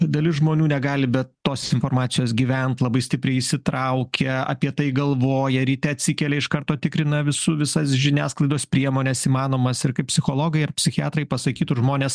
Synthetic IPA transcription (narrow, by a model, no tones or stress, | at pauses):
d̪ɐlʲɪsʒmoːnʲuːnʲɛɡɑːlʲɪbʲɛt̪toːsʲsɪnfoːɾmɑːt͡ssʲɪjoːsɡʲiːʋʲɛnt̪lˠɐbɐɪsʲt̪ʲɪpʲɾʲɛɪɪʃʲsʲɪt̪ɾɐʊkʲʰɛɐ̰pʲiɛt̪ɐɪɡɐlˠʋoːjɛɾʲiːtʲɛɐt̪ʲsʲɪkʲɛlʲɛɪʃkɐɾt̪oːt̪ʲɪkɾʲɪnɐʋʲɪsʊʋʲɪsɐsʒʲɪnʲæːsklˠɐɪd̪oːspʲɾʲiɛmoːnʲɛsiːmɑːnoːmɐsɪɾkɐɪp̚ʲsʲɪxoːlˠoːɡɐɪɐrpʲsʲɪxʲɪɑːt̪ɾɐɪpɐsɐkʲiːt̪ʊʒmoːnʲeːs